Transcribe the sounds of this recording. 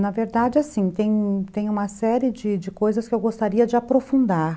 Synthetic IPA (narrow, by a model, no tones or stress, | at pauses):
nɐveɾd̪ad͡ʒɪasĩt̪ẽj̃t̪ẽj̃ũmɐsɛɾɪd͡ʒɪd͡ʒɪkojzɐskɪewɡost̪aɾiɐd͡ʒɪapɾofũnd̪aɾ